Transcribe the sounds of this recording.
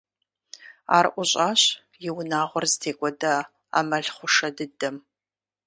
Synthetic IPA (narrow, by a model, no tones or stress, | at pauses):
a̰ːrʔʷʊɕʼaːɕ | jɪwnaːʁʷɔrzɨtʰeːkʷʼɔdɐ | a̰mɐɮχʷʊʂɐdɨdɐm